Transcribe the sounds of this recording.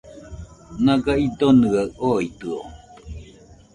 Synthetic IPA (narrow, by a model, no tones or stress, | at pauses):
naɡaid̪onɯaʔoit̪ɯo